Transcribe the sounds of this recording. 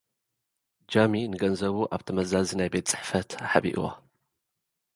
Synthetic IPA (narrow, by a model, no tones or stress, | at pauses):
d͡ʒaminɨɡɐnzɐβuʔaβt̪ʰɐmɐzazinajbe̞t̪t͡sʼɨ̥ħfɐt̪aħaβḭʔwa̰